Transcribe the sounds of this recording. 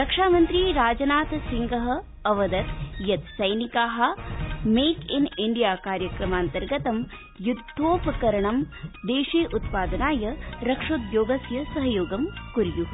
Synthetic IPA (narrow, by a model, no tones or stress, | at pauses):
ɾɐkʂaːmɐnt̪ɾiːɾaːd͡ʒɐnaːt̪ɐsiŋɡɐɦɐ̆ | ɐʋɐd̪ɐt̪jɐt̪sɐjnikaːɦɐ̆meːkiniɳɖijaːkaːɾjɐkɾɐmaːnt̪ɐɾɡɐt̪ɐm | jud̪ʱːoːpɐkɐɾɐɳɐm | d̪eːʂeːʔut̪paːd̪ɐnaːjɐɾɐkʂoːt̪joːɡɐsjɐsɐɦɐjoːɡɐmkuɾju